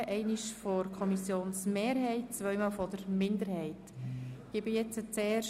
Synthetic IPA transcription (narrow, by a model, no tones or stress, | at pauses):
ʔɛɪniʃfɔɾkʰɔmisjoːnsmeːɾɦɛɪt̚t͡svœɥmɑːlfɔd̥əɾmɪndəɾhɛɪtɡ̥ɪbɪjɛt͡sət͡seːrʃ